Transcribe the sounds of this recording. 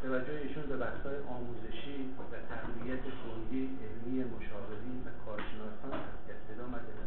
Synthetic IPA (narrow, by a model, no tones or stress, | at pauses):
t̪ʰævæd͡ʒːoheiːʃuːnbebæhsɒːjeʔɒːmuːzeʃiː | væt̪ʰæɡvijæt̪ʰeboɾdiːʔemijemoʃɒːve̞ɾiːnvækʰɒːɾʃe̞nɒːsɒːnʔæsjæt̪ed̪ɒːmæd̪e